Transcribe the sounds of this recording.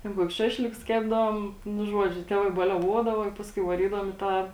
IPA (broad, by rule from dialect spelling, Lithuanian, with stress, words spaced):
ˈtʲɛn ˈkuɔkʲʊs ˈʃɑːʃʲlʲɪkʊs ˈkʲæːbdɐʋoːm ˈnʊ ˈʒuɔd͡ʒʲʊ ˈtʲæːʋɐɪ bɐlʲɛˈʋuɔdɐʋɐ ɪ ˈpɑːskʊɪ ʋɐˈrʲiːdɐʋoːm ɪ ˈtɑː